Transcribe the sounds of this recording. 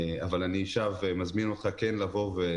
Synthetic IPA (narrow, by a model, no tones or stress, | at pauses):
avalaniʃavemazminot̪χakenlavo̞ʁve